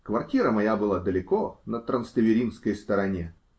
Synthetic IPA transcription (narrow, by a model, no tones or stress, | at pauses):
kvɐrtʲiɾəmɐjabɨlˠad̪əlʲɪkonət̪ɾənst̪əvʲɪɾʲinskəjst̪əɾɐnʲe